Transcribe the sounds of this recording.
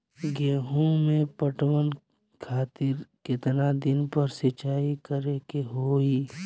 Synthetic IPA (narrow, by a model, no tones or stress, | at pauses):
ɡeːɦũmẽpəʈwən | kʰaːt̪ɪɾkɪt̪nad̪ɪnpəɾsɪt͡ʃaːikəɾekeɦoːiː